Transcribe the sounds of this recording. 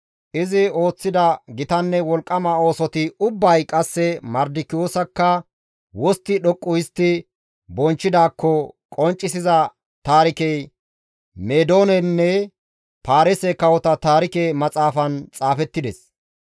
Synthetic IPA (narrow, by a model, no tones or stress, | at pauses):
ʔɪzɪo̞ːt͡sːɪd̪ɐɡɪt̪ɐnːɛwɔlkʼːɐmɐo̞ːsɔt̪ɪʊbːɐjkʼɐsːɛmɐɾd̪ɪkɪjoːsɐkːɐ | wɔst̪ːɪɗɔkʼːʊjɪst̪ːɪ | bɔnt͡ʃːɪd̪aːkːɔkʼɔnt͡ʃʼːɪsɪzɐ | t̪aːɾɪkɛj | meːd̪o̞ːnɛnːɛ | paːɾɛsɛkɐwɔt̪ɐt̪aːɾɪkemɐt͡sʼaːfɐnt͡sʼaːfɛt̪ːɪd̪ɛs